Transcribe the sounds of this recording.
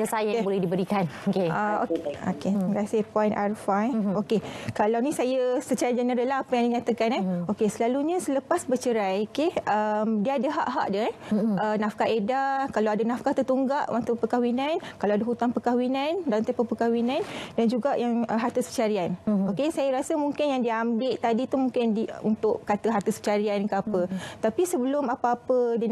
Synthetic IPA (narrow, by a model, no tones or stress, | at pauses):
asajabolɛhdibəɾikanokeao̰ko̰keŋɾasepɔjnʔa̰rfaokekalawnisajəsət͡ʃaɾad͡ʒənəɾəlaɦapajaŋdiɲat̪akanɛokesəlaluɲə̃sələpasbət͡ʃəɾajkeʔəmdiadaɦaʔɦaʔdəɛʔənafkaʔedakalawadanafkat̪ət̪uŋɡaʔwaŋt̪upəkawinankaloadaɦut̪aŋpəkawinandalaŋt̪epəpəkawinandand͡ʒuɡaʔjaŋəɦart̪usət͡ʃaɾianokesajaɾasəmuŋkɪnjaŋdiambɪʔt̪adit̪umuŋkɪndiunt̪ʊʔkat̪əɦart̪əsə̥t͡ʃaɾiankəapət̪apisəbəlʊmapaapədi